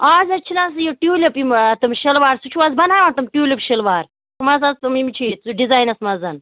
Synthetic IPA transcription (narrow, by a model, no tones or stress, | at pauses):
aːzɐt͡ʃʰinas̬joʈjuːlʲɐpimt̪ɨmʃɐlʋaːɾsut͡ʃʰuazbɐnaːjant̪ɨmʈʲjuːlʲɐpʃɐlʋaːɾ | t̪ʰmɐzɐzt̪ɨmimt͡ʃʰit͡suɖizaːjnɐsmɐzɐn